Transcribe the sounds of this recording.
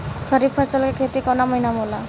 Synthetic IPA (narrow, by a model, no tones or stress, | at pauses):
kʰʌɾib̚pʰʌɾsəlkekʰet̪ikɔnamʌɦinamola